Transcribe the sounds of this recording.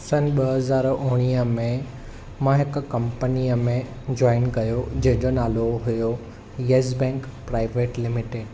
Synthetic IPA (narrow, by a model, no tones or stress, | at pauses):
sɐnɓɐɦɐzaːɾʊɦɽ̃iːəmẽ | mãɦɪkkɐ̃mpəniəmẽ | d͡ʑɔːɪnɡɐjod͡ʑɐ̃ɦɪ̃ɲd͡ʑonaːloɦʊjo | jeːzbɛ̃ːŋkpɾaːɪʋeːʈlɪmɪʈeːɖ